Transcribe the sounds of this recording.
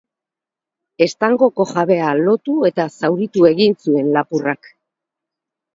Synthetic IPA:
e̞st̪aŋɡo̞ko̞ʝaβe̞alo̞t̪ue̞t̪asawɾit̪ue̞ɣinsue̞nlapurak

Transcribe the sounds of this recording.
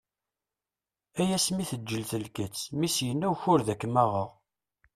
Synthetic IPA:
æjæsmiθəd͡ʒːəlθəlkət͡sːmisjənːæwçʊɾðækːmæʁəʁ

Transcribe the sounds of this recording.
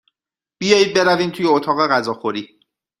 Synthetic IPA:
b̥ijɒːjiːd̪̚be̞ɾæviːmt̪ʰuːjeot̪ʰɒːɣe̞ɣæzɒːxo̞ɾiː

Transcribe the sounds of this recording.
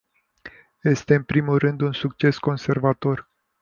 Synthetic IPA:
je̞st̪e̞ɨnpɾimulrɨnd̪unsuk̚t͡ʃe̞sko̞nse̞rvat̪o̞r

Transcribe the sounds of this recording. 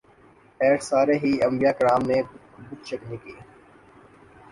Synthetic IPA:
eːʈsaːɾeːɦiːɐmbijaːkɾaːmne | bʊt̪t͡ʃəknikiː

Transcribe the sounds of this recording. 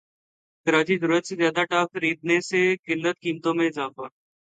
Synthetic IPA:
kəɾaːt͡ʃizəɾuːɾət̪sezjaːd̪aʈaːkxəɾiːd̪̚nesekɪlːət̪kiːmt̪õːmẽɪzaːfaː

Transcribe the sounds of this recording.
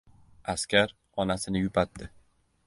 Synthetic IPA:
askʲaɾ | ɒnasɪnɪjʊpʰat̪ːɪ

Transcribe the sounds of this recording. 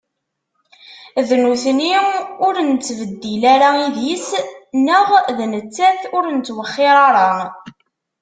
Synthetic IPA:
ðnuθniʊɾənt͡sːvəd̪ːilaɾaiðjisnəʁðnət͡sːæθʊɾnt͡s̪ːwəχːɪɾˤɑɾˤɑ

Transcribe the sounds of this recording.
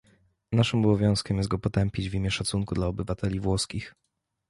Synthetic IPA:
naʂɘmɔbɔvʲjɔ̃w̃skʲɛmjɛst̪ɡɔpɔt̪ɛmpʲid͡ʑvʲimʲjɛʂat̪suŋkud̪laɔbɘvat̪ɛlʲivwɔskʲix

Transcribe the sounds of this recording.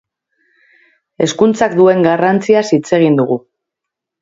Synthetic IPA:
e̞skunt͡sakd̪ue̞ŋɡarant͡siasit͡se̞ɣ̞ind̪uɣ̞u

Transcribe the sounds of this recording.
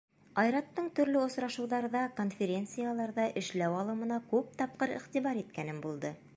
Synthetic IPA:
ɑjɾɑt̪ːɤɴt̪ɵ̆ɾlɘŏsɾɑʃɤ̆wðɑɾðɑko̞nfʲeɾʲe̞nt̪sɨjalˠɑɾðɑʔɘ̆ʃlæwɑlˠɤ̆mɤ̆nɑkʉp̚t̪ɑp̚qɤɾḭχt̪iβɑɾit̪kænɘmbulˠd̪ɤ

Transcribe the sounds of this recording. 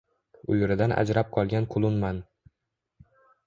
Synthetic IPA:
ʊjʊɾɪd̪anʔa̰d͡ʒɾap̚qʰɒlˠɡʲanqʰʊlˠʊnman

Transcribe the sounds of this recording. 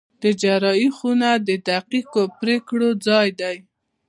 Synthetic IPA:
d̪̥əd͡ʒaɾɑixunad̪əd̪aqikopɾekɽod͡zɑjd̪aj

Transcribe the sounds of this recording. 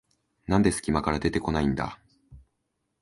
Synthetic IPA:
nãnd̪e̞sɨ̥kʲimakaɾad̪e̞t̪e̞ko̞naĩnd̪a̰

